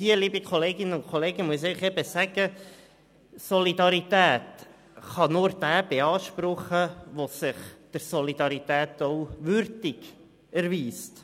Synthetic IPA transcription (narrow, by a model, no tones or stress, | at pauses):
iəliːbikʰɔleːɡɪnːənʊnkʰoleːɡəmuəs̬ɛɪχɛb̥əsæɡ̥ə | sɔlid̪ɑɾitæːt̪ | χɑnʊːɾd̥æːb̥eɑːʃpɾʊχəʋosɪχd̪̥əɾsɔlid̪ɑɾit̪æːt̪ɔʊʋʏɾdɪɡ̥ | æɾʋiːst